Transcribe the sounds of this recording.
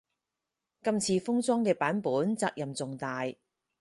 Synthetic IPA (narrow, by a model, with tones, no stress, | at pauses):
kɐ˧mt͡sʰiː˧fʊ˥ŋt͡sɔː˥ŋkɛː˧paː˨˥npuː˨˥nt͡saː˧k̚jɐ˨mt͡sʊ˨ŋt̪aː˨j